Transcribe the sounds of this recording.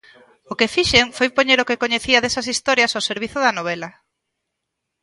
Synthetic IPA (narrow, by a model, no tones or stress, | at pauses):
ʊkefiʃeŋfojpoɲeɾokekoɲeθiɐðesɐsist̪ɔɾjɐsoseɾβ̞iθʊðɐnoβ̞ɛlɐ